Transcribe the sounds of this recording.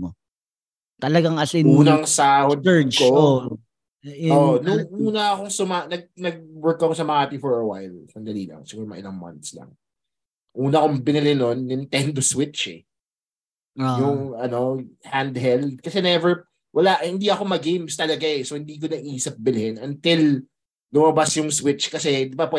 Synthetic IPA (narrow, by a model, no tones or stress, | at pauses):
o | t̪ɐlɐɡaŋɐsɪuːnɐŋsaːhod̪̚ko | oːʔnʊŋʔuːnɐːko̞ŋsʊmanɐɡ̚nɐɡ̚wɛɹkːɐkosɐmɐŋaːpifɔɹɐwa̰jlsɐnd̪ɐliːlɐ̰ŋsɪɡuːɾɐmɐʔɪ̰laŋma̰nt̪slɐ̰ŋ | ʔuːnɐɐkoŋbɪnɪlɛno̞nːɪnt̪ɛnd̪oswɪt͡ʃɛ̰ | jʊŋɐno̞hand̪ɦɛld̪̚kɐsɛnɛvɛɹ | wʔɐlaʔhɪnd̪iʔɐko̞mɐɡejmst̪ɐlɐɡaɛsohɪnd̪iːk̬onɐʔiːsɐp̚bɪlɪhɪnɐnt̪ɪl | lʊmɐbasjʊŋswɪt͡ʃkɐsɛd̪ɪbapwɛ